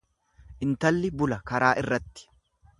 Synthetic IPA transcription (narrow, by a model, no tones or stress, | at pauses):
ʔɪnt̪ɐlːɪbʊlɐkɐɾaːʔɪrːɐt̪ːɪ̥